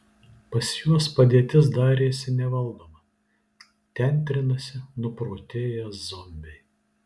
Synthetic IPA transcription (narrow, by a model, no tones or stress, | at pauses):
pɐsjuɔspɐd̪ʲiɛt̪ʲɪsd̪ɑːɾʲeːsʲɪnʲɛʋɐlˠd̪oːmɐ | t̪ʲɛnʲt̪ʲɾʲɪnɐsʲɪnʊpɾoːt̪ʲeːjɛszɔmʲbʲɛɪ